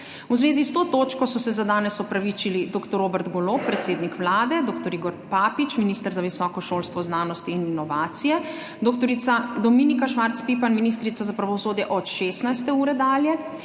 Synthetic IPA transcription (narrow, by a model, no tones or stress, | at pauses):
uzʋeːzist̪oːt̪oːt͡ʃkɔsɔsɛzad̪aːnɛsɔpɾaʋit͡ʃilid̪oːkt̪ɔɾobɛɾt̪ɡɔloːppːɾɛt̪seːd̪nikʋlaːd̪ɛd̪oːkt̪ɔɾiɡɔɾpapit͡ʃminist̪əɾzaʋisɔːkɔʃoːlst̪ʋɔznaːnɔst̪iːninɔʋaːt̪sijɛ | d̪oːkt̪ɔɾit̪sad̪ɔminikaʃʋaɾt̪spipanminist̪ɾit̪sazapɾaʋɔsoːd̪jɛʔɔt̪ʃeːst̪najst̪ɛuːɾɛd̪aːljɛ